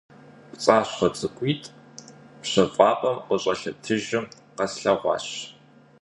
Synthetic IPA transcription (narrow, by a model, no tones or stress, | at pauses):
pt͡sʼaːɕχɐt͡sʰɨkʷʼiːtʼpɕɐfʼɑːqʼɐmqəɕʼɐɬɐtʰɨʒɪm | qɐsɬɐʁʷɑ̰ːɕ